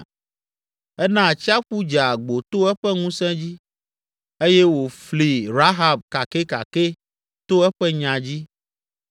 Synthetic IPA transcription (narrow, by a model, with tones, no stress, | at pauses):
ɛ˦nã˦˨t͡ɕi˦a˦ɸu˦d͡ʒa˨ɡ͡bo˨t̪o˦ɛ˦ɸɛ˦ŋũ˦sɛ̃˦d͡ʑi˦ | e˦jɛ˦wo˨fli˨ɾa˦ɦa˦b̚ka˨ke˦ka̰˨ke˦ | t̪o˦ɛ˦ɸɛ˦ɲã˨d͡ʑi˦